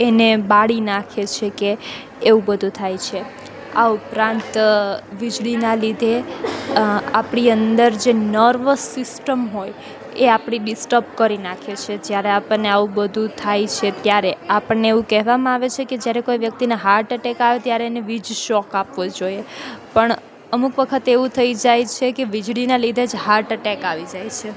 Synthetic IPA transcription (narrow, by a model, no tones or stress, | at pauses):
enebaɽinakʰet͡ʃʰekeː | ʋũbəd̪ʱũt̪ʰajt͡ʃʰe | aupɾãnt̪ʋid͡ʒɭinalid̪ʱe | apɽiənd̪əɾd͡ʒenəɾʋəsːɪsʈəmɦoj | eapɳ̃iɗɪsʈəb̚kəɾinakʰet͡ʃʰed͡ʒjaɾeapəɳneaʋũbəd̪ʱũt̪ʰajt͡ʃʰet̪jaɾeapəɽneeʋũkɛɦʋamãaʋet͡ʃʰeked͡ʒjaɾekoiʋjək̚t̪inaɦaɾʈəʈɛkaʋet̪jaɾeneʋid͡ʒʃɔkapʋod͡ʒojepəɳ | əmukʋəkʰət̪eʋũt̪ʰəid͡ʒajt͡ʃʰekeʋid͡ʒɽinalid̪ʱed͡ʒɦaɾʈəʈɛkaʋid͡ʒajt͡ʃʰe